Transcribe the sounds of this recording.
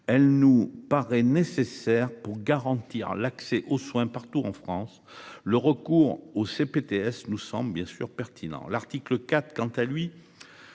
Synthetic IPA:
ɛlnupaʁɛnesesɛʁpuʁɡaʁɑ̃t̪iʁlaksɛʔoswɛ̃paʁt̪uɑ̃fχɑ̃s | ləʁəkuʁosepet̪eɛsnusɑ̃blbjɛ̃sy̰ʁpɛʁt̪ʰinɑ̰̃laʁt̪ikləkat̪χkɑ̃t̪alɥi

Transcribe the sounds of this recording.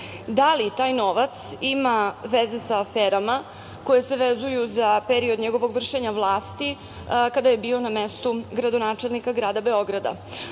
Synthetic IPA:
d̪alit̪aːjno̞ʋat̪simaʋeze̞saːfeːɾama | ko̞je̞se̞ʋezujuzapeɾiod̪ɲeɡo̞ʋo̞ɡʋr̩ʃe̞ɲaʋlˠaːst̪i | kad̪aje̞biːo̞namest̪uɡɾad̪o̞naːt͡ʃe̞lnikaɡɾaːd̪abe̞o̞ɡɾad̪a̰

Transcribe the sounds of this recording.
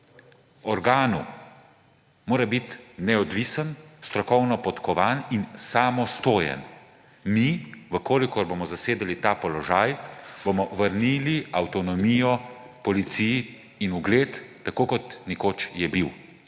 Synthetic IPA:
ɔɾɡaːnu | moːɾabit̪nɛɔd̪ʋisənst̪ɾɔkɔwnɔpɔt̪kɔʋaːninsamɔst̪oːjɛ̰n | miʋəkoːlikɔɾbomɔzaseːd̪ɛlit̪aːpɔlɔʒaːjb̥omɔʋəɾniːliawt̪ɔnɔmiːjɔ | pɔlit̪siji | inuɡleːt̪ːakoːkɔt̪nɛkoːt͡ʃjɛbiw

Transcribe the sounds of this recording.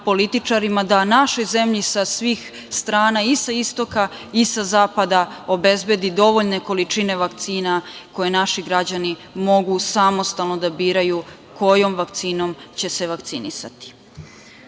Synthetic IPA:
po̞lit̪it͡ʃaɾimad̪anaʃo̞jze̞mʎisasʋiːx | st̪ɾaːnaisaist̪o̞ka | isazaːpad̪ao̞be̞zbje̞d̪id̪o̞ʋo̞ʎne̞ko̞lit͡ʃine̞ʋakt̪siːnako̞je̞naʃiɡɾad͡ʑanimo̞ɡusamo̞st̪alˠno̞d̪abiːɾaju | kʰo̞jo̞mʋakt̪siːno̞mt͡ɕe̞se̞ʋakt̪sinḭsa̰t̪i̥

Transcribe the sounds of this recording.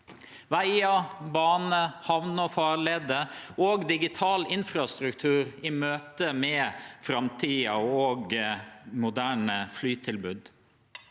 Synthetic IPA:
ʋæɪɑbɑːnəhɑʋnəfɑːɾleːd̪əoːɡd̪ɪɡɪt̪ʰɑːlɪnfɾɑst̪ɾʉkt̪ʰʉːɾɪmøːt̪əmeːfɾɑmt̪ʰiːɑoːɡ | mʊd̪æːɳəflyːt̪ʰɪlbʉːd̪

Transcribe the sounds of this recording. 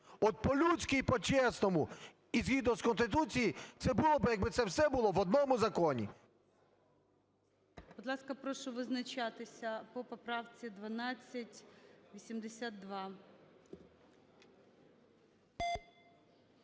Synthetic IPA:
ɔt̪̚pɔlʲusʲkijpɔt͡ʃɛsnɔmʊ | izɣʲid̪ɔskɔnst̪ɪt̪ut͡sʲijit̪sɛbʊlˠɔbɪjɐɡ̚bɪt̪sɛwsɛbʊlˠɔʋɔd̪̚nɔmʊzɐkɔnʲḭ | bʊd̪lˠɑskɐpɾɔʃʊʋɪznɐt͡ʃat̪ɪsʲɐpɔpɔpɾɑwt͡sʲid̪ʋɐnɑt͡sʲːɐtʲʋʲisʲimd̪esʲat̪̚ːʋɑ

